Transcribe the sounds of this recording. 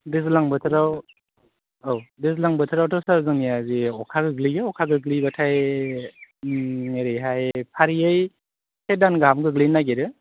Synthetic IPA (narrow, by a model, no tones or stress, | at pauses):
dezlaŋbɯtʰɾaw | owdezlaŋbɯtʰɯɾawtʰɔsaɾzɯŋiaziɔkʰaɡɯɡliɡɯɔkʰaɡɯɡlibatʰaj | ŋeɾɯɦajpʰaɾijɯj | sʰedanɡamɡɯɡlinaɡeɾɯ